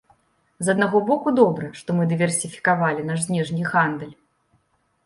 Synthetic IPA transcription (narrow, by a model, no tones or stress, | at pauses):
zɐd̪̚naɣɔbɔkud̪ɔbɾɐʂt̪ɔmɨd̪ɨvʲɛrsʲifʲi̥kavalʲinaʂsʲnʲɛʐnʲiɣand̪ɛlʲ